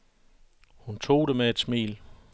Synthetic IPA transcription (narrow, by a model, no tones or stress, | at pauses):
hunt͡sʰo̝̰ːd̥emeed̥smḭːl